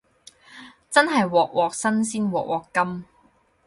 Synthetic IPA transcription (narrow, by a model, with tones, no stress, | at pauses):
t͡sɐ˥nɦɐ˨jwɔː˨k̚wʔɔː˨k̚sɐ˥nsiː˥nwɔː˨˩k̚wʔɔː˨˩kːɐ˥m